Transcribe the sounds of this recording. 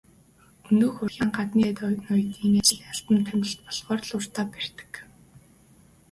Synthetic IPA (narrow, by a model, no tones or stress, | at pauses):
ɵnɵːxɵrxʲaːŋɢat̪niːt̪nɔjt̪iːŋeːt͡ɕɮaɬt̪ə̆nt̪ʰæmʲɪ̆ɬt̪̚pɔɮʁɔːrɮʊr̥t̪aːper̥t̪ɘ̥̆k